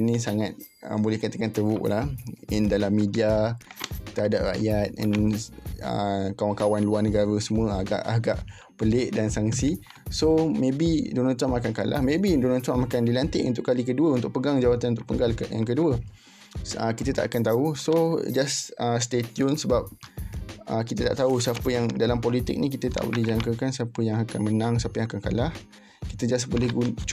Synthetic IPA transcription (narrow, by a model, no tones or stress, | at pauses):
nĩsaŋat̪̚ə̰bolɛhkat̪akant̪əbṵʔlahɛndalamːidia | t̪əɦada̰p̚ra̰ʔjat̪̚ɛ̰n | ə̰kawaŋkawanluarnəɡaɾəsəmuəaɡa̰ʔaɡa̰ʔ | pəlɪʔdansaŋsi | somẽbidonalt̪wamakankala̰hmẽbidonalt̪wamakandilant̪ɪʔunt̪ʊʔkːalikəduəunt̪ʊʔ̚pəɡaŋd͡ʒawat̪anunt̪ʊʔpəŋɡalkja̰ŋk̬əduə | ə̰kit̪ət̪aʔakant̪ausod͡ʒasəst̪et̪jʊnsəbap̚ | ə̰kit̪ət̪a̰ʔt̪ausəapəjaŋdalampolit̪ɪ̰k̚nĩk̬it̪ət̪a̰ʔbo̰lɛhd͡ʒaŋkəkansiapəjaŋakanmənãŋsəapəjãŋakanka̰lah | ki̥t̪əd͡ʒas̬bolehɡu